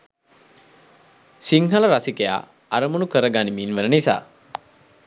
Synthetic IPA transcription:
siŋɦaləɾasikeja̰ː | aɾəmunukəɾəɡanimiːnʋənənisa̰ː

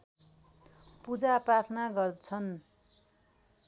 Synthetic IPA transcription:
pud͡zaprat̪ʰnaɡʌrt͡sʰʌn

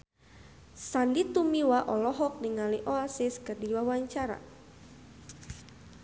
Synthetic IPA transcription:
sandit̪umiwaʔɔlɔɦɔk̚niŋaliʔɔasiskərdiwawaɲt͡ʃaɾa̰

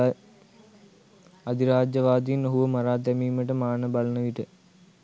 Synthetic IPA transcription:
ɐd̪iɾaːd͡ʑjɐʋaːd̪ijinɐɦuʋɐmɐraːd̪jɐmiːmɐʈːɐmaːɳɐbɐɭɐnɐʋiʈːɨ

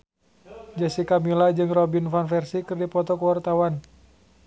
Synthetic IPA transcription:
d͡ʒɛsikamilad͡ʒɨŋrɔbinfanfɛrsikɨrdipɔt̪ɔkəwart̪awan

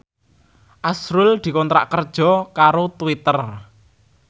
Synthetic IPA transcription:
ʔasɾʊld̪̥i̤kɔnt̪ɾa̰ʔkərd̥ʒ̥ɔ̤kaɾot̪uwit̪ər

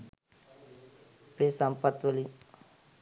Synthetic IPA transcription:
pɾesampat̪ʋəli

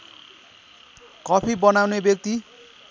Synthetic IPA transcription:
kʌpʰibʌnawnebjʌk̚t̪i

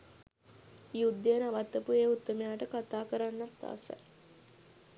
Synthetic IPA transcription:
iud̪ːeːnaʋat̪ːɐpueːut̪ːəmejaːʈəkat̪aːkəɾanːat̪a̰sa̰

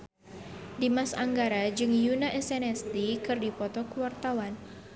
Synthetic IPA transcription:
dimasaŋɡaɾad͡ʒɨŋjunaʔɛsɛnɛst̪ikɨrdipɔt̪ɔkuwart̪awan

